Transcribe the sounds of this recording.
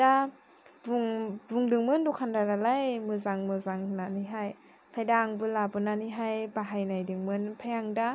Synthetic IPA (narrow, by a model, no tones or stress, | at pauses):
da | buŋbuŋdɯŋmɯndukʰandadalajmɯzaŋmɯzaŋnaniɦaj | pʰajdaŋbɯlabɯnaniɦajbaɦajnajdɯŋmɯnpʰajaŋda